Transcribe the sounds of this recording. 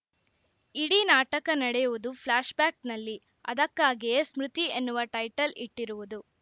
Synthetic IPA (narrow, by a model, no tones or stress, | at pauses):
iɽinaːʈɐkɐnɐɽɛjuʋud̪upʰlaːʃbaːknɐlːi | ɐ̰d̪ɐkːaːɡijesmɾut̪ie̞nːuʋɐʈɐjʈɐliʈːiɾuʋud̪u